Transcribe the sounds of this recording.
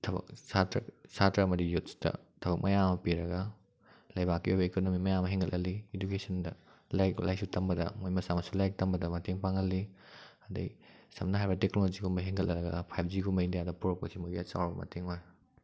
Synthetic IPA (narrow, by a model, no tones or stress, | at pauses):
tʰɐbɐ̰k̚satɾɐ̰satɾɐɐmɐdijutstɐ̰tʰɐβɐk̚mɐjamɐpiɾɐɡɐ | lɐjbakːiojbɐekonomimɐjamɐɦiŋɡɐlʔɐliedukesʰɐndɐlajklʔajsutɐmbɐdɐ̰mojmɐsamɐsulajk̚tɐmbɐdɐmɐteŋpaŋɡɐlːiɐdɐ̰jsɐmnɐɦajbɐteknolod͡ʒiɡumbɐɦiŋɡɐlʔɐɾɐɡɐ̰pʰajp̚ʰd͡ʒiɡumɐjndijadɐpuɾɐk̚pɐsimoɡiat͡ʃa̰wɾbɐmɐ̰tʰeŋoj